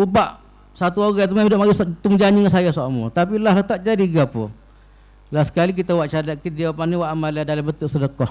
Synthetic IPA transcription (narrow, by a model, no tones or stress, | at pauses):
ubaʔ | sat̪̬uoɣat̪̬umamidɔʔmaɡist̪umd͡ʒaɲiŋansajasamṵt̪ap̬ilalat̪aʔd͡ʒadiɡapʊ̰ | lahsə̥kalik̬it̪awaʔt͡ʃadaʔkidiapaniwaʔamaladalabət̪uʔsədəkɔh